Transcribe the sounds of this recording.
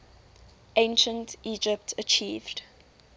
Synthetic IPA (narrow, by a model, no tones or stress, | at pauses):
ʔẽɪnʃə̃ntid͡ʒɪptʰət͡ʃʰiːvd̥